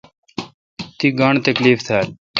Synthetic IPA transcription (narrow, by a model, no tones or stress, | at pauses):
t̪iːɡaːɳt̪əkliːft̪ʰaːl